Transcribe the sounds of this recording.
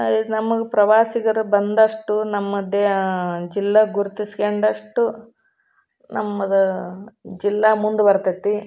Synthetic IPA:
inɐmɐɡepɾɐʋaːsiɡɐɾubɐnd̪ɐʂʈunɐmːɐd̪ːed͡ʒilːɐɡuɾut̪isi̥keɳɖɐʂʈu | nʔɐmːɐd̪ɐ | d͡ʒilːaːmund̪ubɐɾt̪ɐt̪ːi

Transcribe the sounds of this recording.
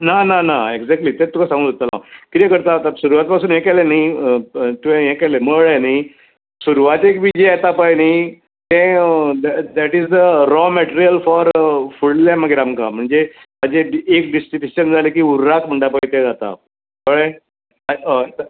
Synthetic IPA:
nananaeɡd͡zɛk̚ʈlit̪ẽt̪ːukʰasãŋɡulot̪alakit̪ẽkəɾt̪at̪asuɾuʋat̪̚pasuːnjẽkɛleniət̪uẽjẽkɛleməɭeni | suɾʋat̪ekbiːd͡ʑeat̪apajni | t̪ɛ̃d̪ɛd̪æʈizd̪əɾɔmɛʈeɾijəlfɔɾfuɽlaməɡiɾamkam̤əɳd͡ze | mad͡ʑeːk̚ɖisʈiʈuɕənd͡zʱalekiːuɾːakm̤əɳɖapait̪ẽd͡zat̪a̰ | məɭe | ət̪

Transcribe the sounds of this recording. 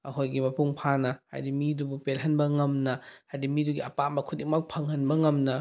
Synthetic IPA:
ɐɦojɡimɐpuŋpʰanɐha̰jdimidubupelɦɐnbɐŋɐmnɐhajdimiduɡiɐpamɐkʰudiŋmak̚pʰɐŋhɐnbɐŋɐmnɐ

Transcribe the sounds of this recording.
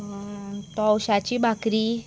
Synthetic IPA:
t̪ɔwɕat͡ɕibʱakɾi

